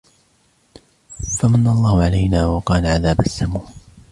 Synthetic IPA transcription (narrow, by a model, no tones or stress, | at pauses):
famanːalˤːɑːhʕalajnaːwɑqɑːnaʕaðaːbasːamuː